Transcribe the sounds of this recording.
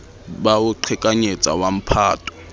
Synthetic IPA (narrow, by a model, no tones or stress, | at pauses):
baʊǃʰɪkʼaɲet͡sʼa̰wam̩pʰaːtʰʼɔ̥